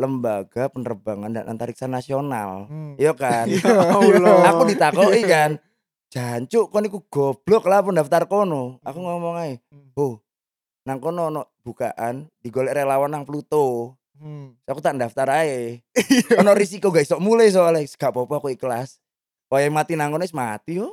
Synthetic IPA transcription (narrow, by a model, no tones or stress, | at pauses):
ləmbaɡ̥apənərəbaŋanda̰nʔa̰nt̪aɾik̚sanasiona̰ljokan | audit̪akɔʔikan | d͡ʒ̥aɲt͡ʃʊʔkɔnik̬uɡ̥ɔb̥lɔklapɔndaft̪arkonɔa̰kuŋɔmɔŋae | boh | naŋkɔnoːnɔʔb̥uka̰ʔand̥i̤ɡolɛʔɾelawanːaŋpəlut̪o | sakut̪aʔndaft̪aɾae | ɔnɔʔrisikoɡaisɔʔmulajs̬olɛsə̥ɡ̥aʔpɔpɔakuikəlas | ajamat̪inaŋkɔnoismat̪ijɔ